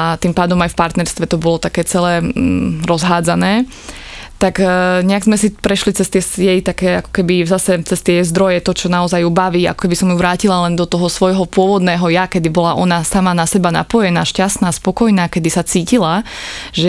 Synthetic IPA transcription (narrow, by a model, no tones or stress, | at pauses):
at̪impaːd̪ɔmajfpaɾt̪nɛɾst̪ʋɛt̪ɔbɔlɔt̪akɛːt͡sɛlɛːɾɔzɦaːd͡zanɛː | t̪akɲɛaɡzmɛsipɾɛʃlit͡sɛst̪ɪɛsjɛjt̪akɛːakɔ̥kɛbizasɛt͡sɛst̪ɪɛzd̪ɾɔjɛt̪ɔt͡ʃɔnaɔzajubaʋiːa̰kɔ̥kɛbisɔmjuʋɾaːcilalɛnd̪ɔt̪ɔɦɔsʋɔjɦɔpʊɔʋɔd̪nɛːɦɔjakɛd̪ibɔlaʔɔnasamanasɛbana̰pɔjɛnaːʃcast̪naːspɔkɔjnaːkɛd̪isat͡siːcilaʒɛ